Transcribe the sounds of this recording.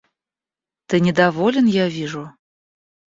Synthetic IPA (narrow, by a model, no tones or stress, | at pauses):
t̪ɨnʲɪd̪avɔlʲɛnjavʲiʐʊ